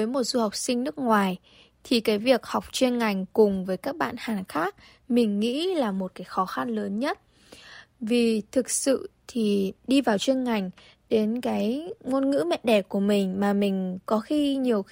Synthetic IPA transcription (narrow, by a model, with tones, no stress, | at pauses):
əː˨˦jmo˨˩t̚zu˧ha˨˩wk͡p̚sï˧ŋ̟nɨ˦˥ək̚ŋwaː˨˩j | t̪ʰi˨˩kaː˨˦jvi˨˩ək̚ha˨˩wk͡p̚t͡ɕwe˧nŋa˨˩jŋ̟kʊ˨˩ŋ͡mvəː˨˦jkaː˦˥k̚ɓa̰ː˧˨nhaː˨˩nxaː˦˥k̚ | mï˨˩ŋ̟ŋḭ˧˥laː˨˩mo˨˩t̚kaː˨˦jxɔ˨˦xa˧nləː˨˦nɲə˦˥t̚ | vi˨˩t̪ʰɨ˨˩k̚sɨ̰˧˨t̪ʰi˨˩ɗi˧vaː˨˩wt͡ɕwi˧nŋa˨˩jŋ̟ | ɗe˨˦nkaː˨˦jŋo˧nŋɨ̰˧˥mɛ̰˧˨ɗɛ˧˩ku˧˩əmï˨˩ŋ̟maː˨˩mï˨˩ŋ̟kɔ˨˦xi˧ɲi˨˩əwx